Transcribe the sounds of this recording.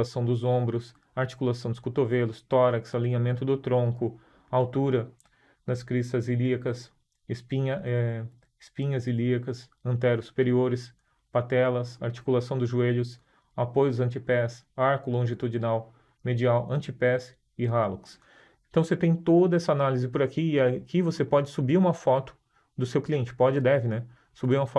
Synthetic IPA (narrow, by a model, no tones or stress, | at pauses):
asɐ̃w̃d̪ʊzõmbɾʊs | aɾt͡ʃi̥kulasɐ̃w̃d̪ʊskut̪ovelʊst̪ɔɾɐksaliɲamẽnt̪ʊd̪ʊt̪ɾõkʊ | awt̪uɾɐ | d̪ɐskɾisɐziliɐkɐs | ɪspiɲɐɛ | ɪspĩɲɐziliɐkɐsɐ̃nt̪̬ɛɾʊsːu̥peɾioɾɪs | pat̪ɛlɐsaɾt͡ʃi̥kulasɐ̃w̃d̪ʊzʒueʎʊs | apojʊzɐ̃nt͡ʃipɛsaɾkʊlõʒit̪ud͡ʒinaw | med͡ʒiawʔɐ̃nt͡ʃipɛs | ɪɦaluks | ẽnt̪ɐ̃w̃set̪ẽj̃t̪od̪ɐɛsɐanalizɪpʊɾakiɪakivosepɔd͡ʒɪsubiɾũmɐfɔt̪ʊ̥ | d̪ʊsewkliẽnt͡ʃɪ̥pɔd͡ʒɪd̪ɛvɪnɛ | subiɾũmɐfɔ